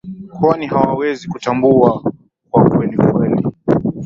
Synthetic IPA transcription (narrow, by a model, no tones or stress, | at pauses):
kwanihawawɛzikutambua | kwakwɛnikwɛli